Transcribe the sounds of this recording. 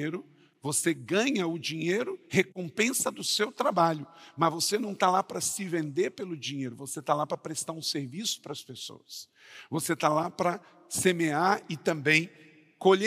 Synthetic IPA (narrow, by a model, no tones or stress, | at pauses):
eɾʊ | voseɡɐ̃ɲɐʊd͡ʒĩɲejɾʊhekõpẽsɐd̪ʊsewt̪ɾabaʎʊmɐzvosenɐ̃w̃t̪alapɾɐsɪvẽnd̪eɾpelʊd͡ʒĩɲejɾʊvoset̪alapɾɐpɾest̪aɾũseɾvisʊ̥pɾɐspeso̰wɐs | voset̪alapɾɐ | semeaɪt̪ɐ̃mbẽj̃ | koʎe